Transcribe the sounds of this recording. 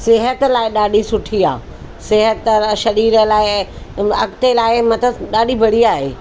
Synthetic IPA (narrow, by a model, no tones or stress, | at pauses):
sɪɦət̪laːɪɗaːɗisʊʈʰiaː | sɪɦət̪ʃɐɾiːɾəlaːɪɐɡt̪elaːɪmɐt̪əɗaːɗibʱɐɽiaːɦeː